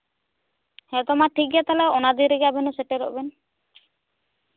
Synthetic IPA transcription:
hɛt̪ɔmaʈʰik̚ɡat̪alɛɔnad̪iɾiɡabɛnɔsɛʈɛɾɔ̰ʔbɛn

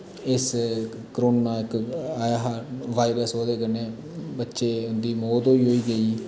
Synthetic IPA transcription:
ɪs | kəɾoːnãːɪkajaɦaʋaːɪɾəsoːd̪eːkəneː | bətːʃeːʊnd̪iːmoːd̪ɦoːiːɦoːiːɡəiː

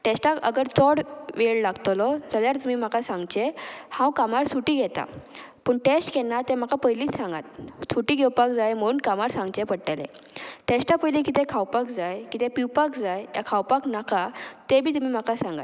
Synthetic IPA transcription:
ʈesʈakə̰ɡəɾt͡sɔɽʋeɭlaɡt̪lɔd͡zaljaɾt̪mim̤akasãŋɡt͡ɕehãwkamaɾsuʈiːɡʱɛt̪a̰ | pəɳʈesʈkɛnat̪em̤akapəjliːt͡ssãŋɡa̰t̪̚suʈiːɡewpakd͡zajm̤əɽuːnkamaɾsãŋɡt͡ɕepəɽʈelḛ | ʈesʈapəjlikit̪ekʰawpakd͡zajkit̪epiwpakd͡zajja̰kʰawpaknakʰat̪ebʱiːt̪um̤im̤akasãŋɡa̰t̪

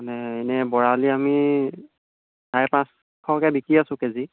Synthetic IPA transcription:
anɛenɛbɔɹaliami | dʱajpãs | kʰɔkɛbikɹiasʊ̃kezi

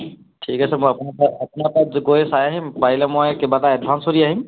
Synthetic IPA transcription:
ʈʰikasɛmɔjapnapaapnapazkojesajaɦimpaɦilɛmɔjkebataɛd̚ʱbʱansoɾiaɦim

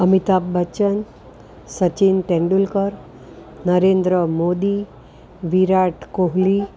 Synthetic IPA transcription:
əmit̪abːət͡ɕən | sət͡ɕinʈẽɳɖulkəɾ | nəɾend̪ɾəmod̪i | ʋiɾaʈkoɦli

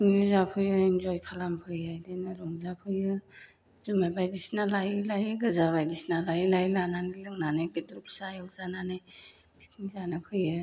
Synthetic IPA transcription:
ŋnizapʰɯjɯinzɔjkʰalampʰɯjajdenɯɾɔŋzapʰɯjɯ | zumabajdisnalajlajɯɡɯzaβajdisnalajilajlananilɯŋnanɯjɡɯdɾuk̚sajɯlzananɯj | bʰik̚nizanapʰɯjɯ

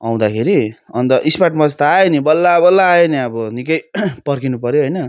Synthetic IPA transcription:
aw̃d̪akʰeɾiʌnt̪ʌʔispaʈmʌd͡zt̪aaenibʌlːabʌlːaːeniʌbʌnikʌjpʌrkinupʌɾjoɦʌjnʌ

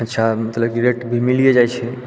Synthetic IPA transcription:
ətːʃʰamət̪ləbkiɾeʈbʱimilijed͡ʒajt͡ʃʰɛ

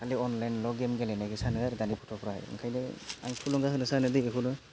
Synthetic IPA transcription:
kʰaliɔnlajnlɔɡemɡelenaɡisanɯaɾɡanipʰɔ̥tʰɔpʰɾahɯ̰jɯ̰ŋkʰajlea̰ŋtʰulɔŋɡaɦɯnɯsanɯdieɦulɯ

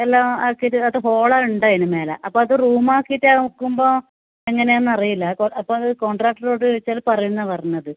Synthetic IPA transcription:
elːaaːkːitːɨɐðɨɦo̞ːɭauɳɖaːjinɨmeːlɐ̰ʔɐpːoːɐðɨruːmaːkːitːaːkːumbo̞ː | eŋːɐne̞jaːnːɐrijilːɐkoɐpːoːɐðɨko̞ːɳɖraːk̚ʈːɐro̞ːɽɨʋet͡ɕːaːlpɐrɐjunːɐpɐrɐɲnːɐðɨ

